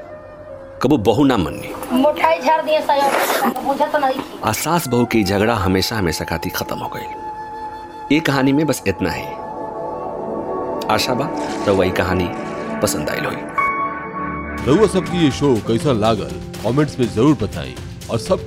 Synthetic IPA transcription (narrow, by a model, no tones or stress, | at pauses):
kɐbubɐɦunamɐ̰nːḭmoʈʰaid͡ʒʰʱaɾd̪iesajõmud͡ʒʱat̪onad̪iia̰ːsaːsbɐɦuked͡ʒʱɐɡɽaɦɐmeːʃaɦɐmeːʃakʰaːt̪ʰixʰɐt̪əmɦo̰ɡə̰il | jekɐɦaːnimẽbɐsɪt̪na̰ɦɛ̰ | aːʃabat̪ɐʋaikɐɦaːnipɐsə̃nd̪a̰ːɪ̰lɦo̰ḭː | t̪ɐuasɐb̚kijeʃoːkɐɪsãlaːɡə̰l | kɔːmẽɳʈsmẽzɐɾuːɾbɐt̪a̰ːḭ̃ | ɔːɾsɐb̚